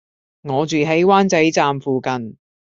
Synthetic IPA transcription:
ŋɔː˨˧t͡ʃyː˨ɦe˨˥jwaː˥nt͡sɐ˨˥jt͡saː˨mfuː˨kɐ˨n

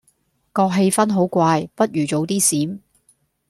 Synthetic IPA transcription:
kɔː˧k̚ɦe˧jfɐ˥nɦo˨˥wkʷaː˧jpɐ˥t̚jyː˨˩t͡ʃo˨˥wt̪iː˥siː˨˥m

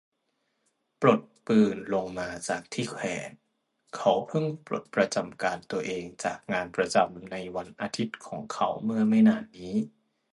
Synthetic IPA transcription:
pɾo˨˩t̪̚pɯː˨˩nlo˧ŋmaː˧t͡ɕaː˨˩k̚t̪ʰiː˥˩kʰwɛː˩˦n | kʰa˦˥wpʰɤ˥˩ŋpɾo̰˨˩t̪̚pɾa˧t͡ɕa˧mkaː˧nt̪u˧ɐʔeː˧ŋt͡ɕaː˨˩k̚ŋaː˧npɾa˧t͡ɕa˧mna˧jwa˧nʔaː˧t̪ʰi˦˥t̪̚kʰɔ̰ː˩˦ŋkʰa˦˥wmɯ˥˩ɐma˥˩jnaː˥˩nːiː˦˥

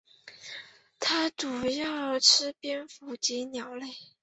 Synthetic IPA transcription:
t̪ʰa˥ʈ͡ʂu˨˩jɑ˥˩ʊ˧ʈ͡ʂʰɻ̩˥pɛ˥nfu˧˥t͡ɕi˧˥njɑ˨˩ʊle˥˩ɪ

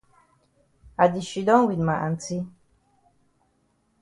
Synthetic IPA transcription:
a˨di˨ʃi˨dɔ̃˦wi˨nma˨ʔa˨nt͡si˦

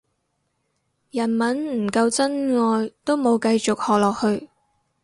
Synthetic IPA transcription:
jɐ˨˩nmɐ˨˥nm̩˨˩kɐ˧wt͡sɐ˥nŋɔː˧jt̪o˥wmo˨˧wkɐ˧jt͡sʊ˨k̚hɔː˨k̚lɔː˨k̚hɵ˧ɥ

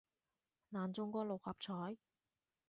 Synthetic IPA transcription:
naː˨nt͡sʊ˥ŋkʷɔː˥k̚lo˨whɐ˨˩p̚t͡sʰɔː˨˥j

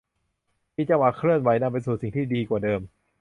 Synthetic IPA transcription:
miː˧t͡ɕa˧wa˨˩kʰɾɯ˥˩ənwa˩˦jna˧mp̬e˧nsuː˨˩si˨˩ŋt̪ʰiː˥˩diː˧kwaː˨˩dɤː˧m

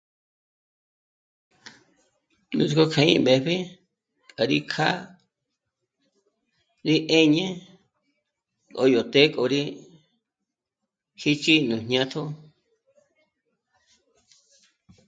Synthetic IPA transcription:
nũ˧ti˧ko˧kʰã˧ḭ̃˦˧be˧βi˦ | kʼa˨ɾi˦kʰa˦ | ɾi˦ʔe˦ɲẽ˦ | ko̰˧jo˨t̪e˦kʼo˧˨ɾi˦ | hi˦t͡ʃi˦nũ˨ɲɲã˧t̪ʰo˦

